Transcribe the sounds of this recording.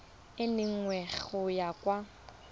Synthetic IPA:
ɪnɪŋ̩wɛɣʊjakʼwa

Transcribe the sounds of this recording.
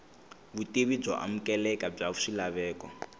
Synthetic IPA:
βutiβid͡zɔ̰ʔa̰m̩kʼɛlɛkab͡ʐaβuʂilaβɛːkɔ

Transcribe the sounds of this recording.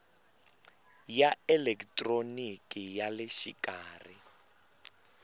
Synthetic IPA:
jaɛlɛktʼronikʼijalɪʃikʼaːri

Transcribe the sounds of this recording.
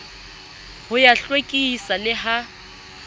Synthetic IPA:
hʊjaɬwekʼisalɪɦa

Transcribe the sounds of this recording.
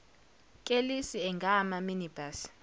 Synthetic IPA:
kʼelisiɛŋɡʱamaminib̥as

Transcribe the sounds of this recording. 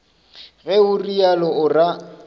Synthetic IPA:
ɣɛʊrialɔʊra

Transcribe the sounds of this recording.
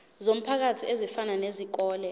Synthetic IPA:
zom̩pʰak̬atʰiezifananezik̬ɔːlɛ

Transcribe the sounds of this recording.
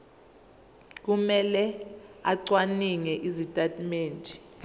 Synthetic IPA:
k̬umɛlɛaǀwaniŋɛʔizitʼatʼmeːntʼi

